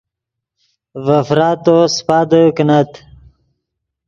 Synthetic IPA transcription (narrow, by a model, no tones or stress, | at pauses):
vɐfɾat̪ospad̪əknat̪